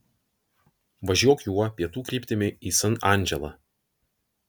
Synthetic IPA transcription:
ʋɐʒʲuɔkjuɔpʲiɛt̪uːkɾʲiːpʲt̪ʲɪmʲɪiːsɐnɑˑnʲˑd͡ʒʲɛlˠɐ̰

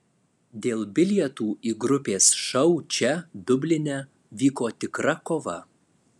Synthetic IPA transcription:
d̪ʲeːlˠbʲɪlʲjɛt̪uːiːɡɾʊpʲeːsʃɐʊt͡ʃʲɛd̪ʊbʲlʲɪnʲɛ | ʋʲiːkoːt̪ʲɪkɾɐkoːʋɐ

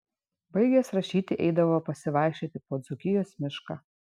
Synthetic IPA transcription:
bɐɪɡʲesɾɐʃʲiːt̪ʲɪʔɛɪd̪ɐʋoːpɐsʲɪʋɑˑɪkʃʲit̪ʲɪpoːd̪zʊkʲɪjoːsmʲɪʃkaː

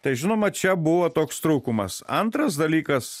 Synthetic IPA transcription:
t̪ɐɪʒʲɪnoːmɐt͡ʃʲɛbʊʋoːt̪oːkst̪ɾuːkʊmɐ̰sɐnt̪ɾɐsd̪ɐlʲiːkɐs

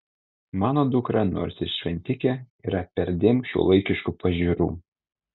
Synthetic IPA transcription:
mɑːnoːd̪ʊkɾɑno̰ːɾʲsʲɪʃʲʋʲɛnʲt̪ʲɪkʲɛiːɾɐpʲɛɾʲd̪ʲɪmʃʲṵːlˠɐɪkʲɪʃkupɐʒʲiːɾṵː

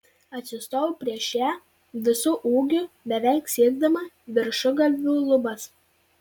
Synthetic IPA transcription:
ɐt̪ʲsʲɪst̪oːʋupʲɾʲiɛʃʲæː | ʋʲɪsʊʔuːɡʲʊbʲɛʋʲɛɪksʲiɛɡd̪ɐmɐ | ʋʲɪɾʃʊɡɐlʲʋʲuːlˠʊbɐs

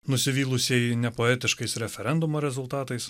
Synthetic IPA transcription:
nʊsʲɪʋʲiːlˠʊsʲɛɪnʲɛpoːɛːt̪ʲɪʃkɐɪsɾʲɛfʲɛɾʲɛnd̪ʊmoːɾʲɛzʊlˠt̪ɑːt̪ɐɪs

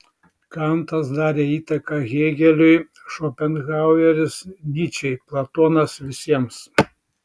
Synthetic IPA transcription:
kɐnt̪ɐsd̪ɑːɾʲeːiːt̪ɐkɑɣʲeːɡʲɛlʲʊɪ | ʃɔːpʲɛnɣɑˑʊjɛɾʲɪsnʲiːt͡ʃʲɛɪplˠɐt̪oːnɐsʋʲɪsʲiɛms

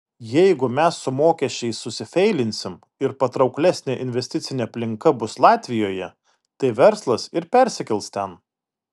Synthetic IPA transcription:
jɛɪɡʊmʲɛsːʊmoːkʲɛʃʲt͡ʃʲɛɪsʊsʲɪfʲɛɪlʲɪnʲsʲɪm | ɪɾpɐt̪ɾɒʊklʲɛsʲnʲeʔɪnʲʋʲɛsʲt̪ʲɪt̪sʲɪnʲeɐpʲlʲɪŋkɐbʊslˠɑːt̪ʲʋʲɪjoːjɛ | t̪ɐɪʋʲɛɾslˠɐsɪɾpʲɛɾʲsʲɪkʲɛlˠst̪ʲɛn

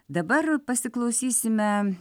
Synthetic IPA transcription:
d̪ɐbɐɾpɐsʲɪklˠɐʊsʲiːsʲɪmʲɛ

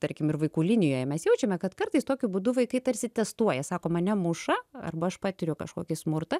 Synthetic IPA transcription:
t̪ɐɾʲkʲɪmɪɾʋɐɪkuːlʲinʲɪjoːjɛmʲɛsjɛʊt͡ʃʲɛmʲɛkɐt̪kɐrt̪ɐɪst̪oːkʲʊbʊd̪ʊʋɐɪkɐɪt̪ɐɾʲsʲɪt̪ʲɛst̪uɔjɛsɑːkoːmɐnʲɛmʊʃɐɐ̰rbɐɐʃpɑːt̪ʲɪɾʲʊkɐʃkoːkʲɪsmʊɾt̪ɐ

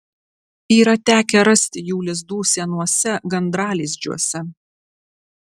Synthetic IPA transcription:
iːɾɐt̪ʲæːkʲɛɾɐsʲt̪ʲɪjuːlʲɪz̬d̪uːsʲiɛnuɔsʲɛɡɐnd̪ɾɑːlʲiːzʲd͡ʒʲṵɔsʲɛ

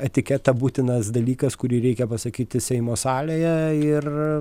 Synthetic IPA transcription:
ɛt̪ʲɪkʲɛt̪ɐbuːt̪ʲɪnɐsd̪ɐlʲiːkɐskʊɾʲiːɾʲɛɪkʲɛpɐsɐkʲiːt̪ʲɪsʲɛɪmoːsɑːlʲeːjɛɪr

